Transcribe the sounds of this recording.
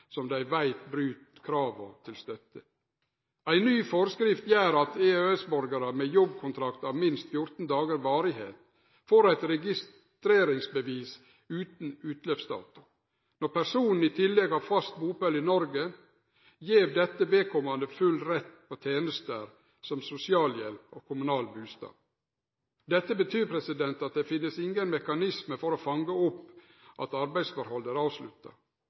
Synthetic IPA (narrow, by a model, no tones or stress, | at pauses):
sɔmd̪æɪʋæɪt̪bɾʉːt̪kʰɾɑːʋət̪ʰɪlst̪œt̪ːə | æɪnyːfɔɾskɾɪft̪jæːɾɑt̪eːøːɛsbɔɾɡəɾəmejɔbkʰʊnt̪ʰɾɑkt̪ɑːʋmɪnst̪fjʊɾt̪n̩d̪ɑːɡəɾʋɑːɾɪhḛːt̪ | foːɾæɪt̪ɾɛɡɪs | t̪ɾeːɾɪŋsbəʋiːs | ʉːt̪n̩ʉːt̪løːfsd̪ɑ̰ːt̪ʊɾ | nɔɾpæsuːnn̩iːt̪ʰɪlːɛɡɑːʋfɑst̪buːpœlɪnɔɾɡə | jeːʋd̪ɛt̪ːəʋeːkʰɔmɑnd̪əfʉlɾɛt̪ːpʰoːt̪ʰeːnəst̪əɾ | sɔmsʊsɪɑːljɛ̰lpo̰ːkʰʊmʉnɑːlbʉːst̪ɑ̰ː | d̪ɛt̪ːəbət̪ʰyːɾpʰɾɛsɪd̪ɛnt̪ɑt̪̚d̪eːfɪnːəsɪŋɡənmɛkɑnɪsməfɔɾoːfɑŋɡəʊpː | ʔɑ̰t̪ɑɾbæɪsfɔɾhɔləɾɑːʋslʉt̪ːɑ̰